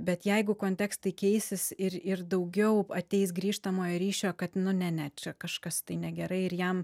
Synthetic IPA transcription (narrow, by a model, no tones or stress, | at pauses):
bʲɛt̪jɛɪɡʊkoːnʲt̪ʲæːkst̪ɐɪkʲɛɪsʲɪsɪɾɪrd̪ɐʊɡʲɛʊɐt̪ʲɛɪsɡɾʲiːʃt̪ɐmoːjoːɾʲiːʃʲoːkɐt̪nʊnʲɛnʲæt̚t͡ʃʲɛkɐʃkɐst̪ɐɪnʲɛɡʲɛɾɐɪɪɾjɛm